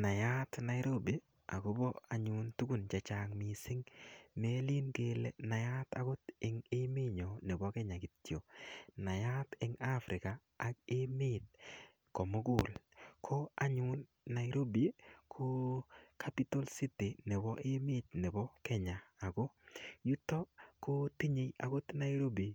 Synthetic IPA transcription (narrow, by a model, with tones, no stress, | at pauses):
na˨ja˦tna˨˦jɾo˦bi˨ | a̰˨ɡo˦bɔ˦a˨ɲʊ˦ntu˦ku˨nt͡ʃa˨t͡ʃa˨ŋmɪ˨sɪ˦ŋme˦li˦nke˦le˦na˨ja˦ta˦ɡʊ˦tɪ˨ŋɪ˦mɪ˦ɲo˨ne˨bɔ˦kɛ˦ɲa˨ki˨tjo˨na˨ja˦tɪ˦ŋa˦fɾʔɪ˨kaː˨ | k̚ɪ˦mɪ˦t̚ | kɔ˨mo˦ɡʊ˨lkʰɔ˦a˦ɲʊ˦nː | a˨jɾo˦bi˦kʰo˦kʰa˦pi˦to˦lsi˦ti˨nɛ˨bɔ˦ʔɪ˦mɪ˦t̚nɛ˨bɔ˦kɛ˦ɲaː˨ɡɔ˦ju˦tːɔ˦ko˦ti˦ɲe˨ja̰˨ɡo˦tna˦jɾo˦bi˨